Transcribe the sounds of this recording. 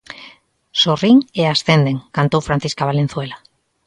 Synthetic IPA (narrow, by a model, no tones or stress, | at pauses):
soriŋeasθend̪eŋkant̪owfɾan̟θiskaβalẽn̟θwela